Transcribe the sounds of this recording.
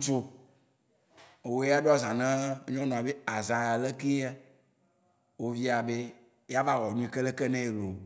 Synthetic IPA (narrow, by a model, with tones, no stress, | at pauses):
ŋũ˦t͡ʃo˦ | e˨wo˦ja˦ɖo˦a˦˨zã˨nɛ̃˦ɲɔ̃˦nɔ̃˨a˨be˦a˨zã˨ja˨le˦ki˦ɛ˦ | wo˦vi˦a˨be˦ | ja˦va˦ɣɔ˨nũ˦i˨ke˦le˦kɛ˦nɛ̃˦e˨lo˨